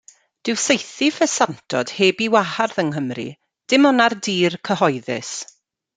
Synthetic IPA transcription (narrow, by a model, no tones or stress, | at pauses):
d̥ɪwsejθifɛsantʰɔd̥heːbiwaharðəŋɦəmrḭ | d̥ɪmɔnardiːrkʰəɦɔjðɪ̰s